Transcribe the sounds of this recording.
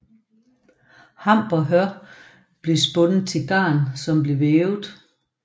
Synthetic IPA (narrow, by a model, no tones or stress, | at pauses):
hɑ̈m̰b̥ɒ̽ɦɶɐ | b̥le̝sb̥ɔ̽nð̩ˠt͡sʰe̝ɡ̥ɑ̰̈ːnsɒ̽mb̥le̝ʋeːʊð̩ˠ